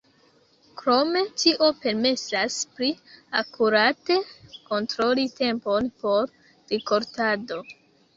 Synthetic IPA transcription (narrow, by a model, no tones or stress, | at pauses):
kɾo̞me̞tiʔo̞pe̞ɾme̞saspɾiakuɾate̞ko̞ntɾo̞lite̞mpo̞npo̞ɾ | ɾiko̞ɾtado̞